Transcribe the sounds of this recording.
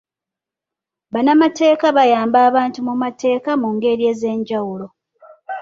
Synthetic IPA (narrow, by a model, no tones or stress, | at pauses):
βanamate̞ːkaβajaːmbaːβaːntumumate̞ːkamuŋɡe̞ɾie̞ːze̞ːɲɟawulo̞